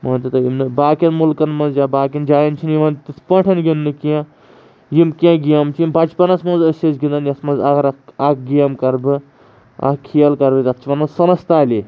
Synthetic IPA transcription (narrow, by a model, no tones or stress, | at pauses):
mɐːnʲt̪ɐt̪ɐjimnɨbaːkʲɐnmulkɐnmɐnzjaːbaːkʲɐnd͡ʒaːjɐnt͡ʃʰinjiʋɐnt̪ispɐ̃ʈʰɐnɡʲinːɨkiã | jimkiãːɡijɐmt͡ʃʰijimbɐt͡ʃpɐnɐsmɐ̃nzɐsɐsɡind̪ɐnjɐsmɐnzɐɡɾɐkɐk̚ɡijɐmkɐɾbɨ | ɐ̰kʰijɐlkɐɾbɨt̪ɐkt͡ʃʰiʋɐnɐsɐnɐst̪aːlʲi